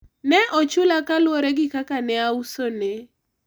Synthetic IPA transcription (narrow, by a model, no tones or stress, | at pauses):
nɛʔɔt͡ʃʊlakalwoɾeɡɪkakanɛausone